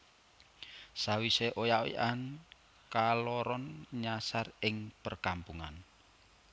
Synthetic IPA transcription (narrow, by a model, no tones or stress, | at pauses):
sawiseʔojawḭʔan | kalɔɾɔnɲasarɪŋpərkampuŋa̰n